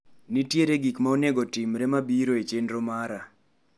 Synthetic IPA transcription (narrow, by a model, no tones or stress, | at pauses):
nitjeɾeɡikmaoneɡɔtimɾɛmabiɾoet͡ʃendɾomaɾa